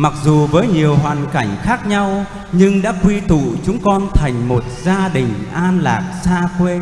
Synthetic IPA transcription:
ma˨˩k̚zu˨˩vəː˨˦jɲi˨˩əwɦwaː˨˩nka˧˩jŋ̟xaː˦˥k̚ɲa˧w | ɲɨ˧ŋɗa̰ː˧˥kwi˧t̪ṵ˧˨t͡ɕʊ˨˦ŋ͡mkɔ˧nt̪ʰa˨˩jŋ̟mo˨˩t̚zaː˧ɗï˨˩ŋ̟ʔaː˧nla̰ː˨˩k̚saː˧kwe˧

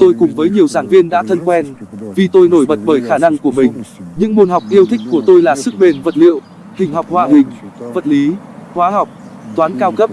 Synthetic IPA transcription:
t̪o˧jkʊ˨˩ŋ͡mvəː˨˦jɲi˨˩əwzaː˧˩ŋvi˧ənɗa̰ː˧˥t̪ʰə˧nkwɛ˧nvi˨˩t̪o˧jno˧˩jɓə˨˩t̚ɓəː˧˩jxaː˧˩na˧ŋku˧˩əmï˨˩ŋ̟ɲɨ̰˧˥ŋɓo˧˩nɦa˨˩wk͡p̚ʔi˧əwt̪ʰï˦˥k̟̚ku˧˩ət̪o˧jlaː˨˩sɨ˦˥k̚ɓe˨˩nvə˨˩t̚lḭ˧˨əw | hï˨˩ŋ̟ɦɔ˨˩wk͡p̚hwaː˨˩ɦï˨˩ŋ̟və˨˩t̚li˨˦hwaː˨˦ɦa˨˩wk͡p̚ | t̪waː˨˦nkaː˧wkə˦˥p̚

